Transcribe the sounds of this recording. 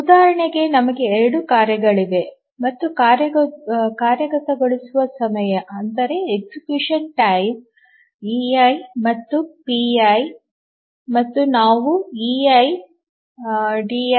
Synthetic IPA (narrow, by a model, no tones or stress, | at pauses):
ud̪aːɐɾɐɳeɡe̞nɐmɐɡe̞ːɾɐɽukaːɾjɐɡɐɭiʋe̞ | mɐt̪ːukaːɾjɐkaːɾjɐkɐt̪ɐɡoɭisuʋɐsɐmɐjɐʔɐnd̪ɐɾe̞eksikjuːʂɐnʈɐjm | iɐjmɐt̪ːupiɐj | mɐt̪ːunaːʋuiɐj | ɖi